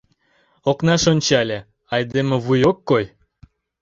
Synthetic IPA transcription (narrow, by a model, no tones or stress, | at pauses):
oknɑʃonʲt͡ɕɑlʲe | ɑjd̪emĕβujokːoj